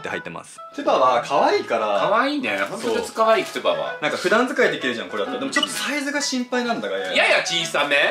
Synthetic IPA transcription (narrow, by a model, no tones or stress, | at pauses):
t̪ːehait̪ːe̞̰ma̰sɨ̥t̪ɨbaβakʰaβaiːkaɾakaβaiːnḛhõnt̪ot̪ot͡sɨ̥kaβaiːkɯ̥t̪ɯba̰βa̰nãŋkaɸɯ̟d̪ãnd͡zɨkaid̪e̞kʲiɾɯ̟ʑãŋko̞ɾed̪at̪od̪e̞mt͡ɕo̞t̪ːosaizɨɡaɕĩmpainãnd̪aɡajajjajat͡ɕĩːsame